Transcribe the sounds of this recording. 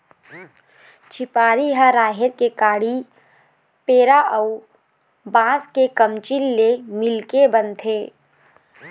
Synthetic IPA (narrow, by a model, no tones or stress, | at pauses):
t͡ʃʰɪpaːɾiɦaɾaːɦɪɾ̚kekaːɽi | peːɾaʔəu | bãːskekəmt͡ʃilːemɪlkebənt̪ʰeː